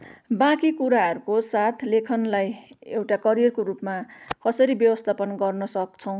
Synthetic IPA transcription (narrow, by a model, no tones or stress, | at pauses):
bãkikuɾaɦʌɾukosat̪ʰlekʰʌnlajewʈakʌɾijʌrkorupmakʌsʌɾibjʌbʌst̪ʰapʌnɡʌrnʌsʌk̚t͡sʰʌw̃